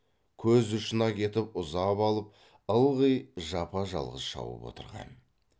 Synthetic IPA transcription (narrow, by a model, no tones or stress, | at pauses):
kʲʰɵzʊʃənɑkʲʰe̞t̪ɪpʊzɑpɑlˠəp̚ | əlˠʁəjʒɑpɑʒɑ̰lˠʁəz̥ʃɑ̰wə̰pwo̞̰t̪əɾʁɑ̰n